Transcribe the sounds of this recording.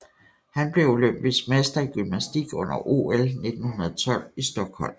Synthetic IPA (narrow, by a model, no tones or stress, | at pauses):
hænb̥le̝uløm̰b̥ismesd̥ɐiɡ̥ymnæsd̥iɡ̥ɔ̽n̰ɐʔo̝̰elne̝d̥n̩hunɐð̩ˠt͡sʰɒ̽l̰isd̥ɒ̽ɡ̥hɒ̽l̰m